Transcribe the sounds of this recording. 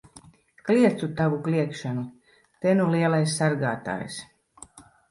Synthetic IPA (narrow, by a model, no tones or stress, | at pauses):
kliɛt̪sut̪avukliɛkʃanu | t̪ɛnuliɛlˠajsːaɾɡaːt̪a̰ːjs